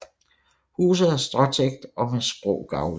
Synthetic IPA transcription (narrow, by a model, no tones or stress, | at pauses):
hṵːs̬ð̞̩ˠæɐsd̥ʁɒt͡sʰeɡ̥̚d̥ɒ̽mesb̥ʁɔ̰ʊɡ̥ɑ̈ʊʋ